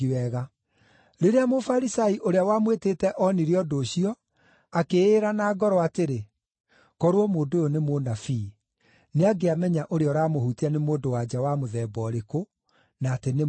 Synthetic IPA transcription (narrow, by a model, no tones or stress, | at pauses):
iwɛɣa | ɾeɾeamofaɾisaiʔoɾeawamweteːtɛʔɔniɾeɔdoːɕiɔ | akeːɾanaːɡɔɾɔateɾe | kɔɾwɔmoːndojonemonafi | neaɡeamɛɲaʔoɾeɔɾaːmohuteanemoːndowad͡ʑawamoðɛːbɔɾeko | naːtene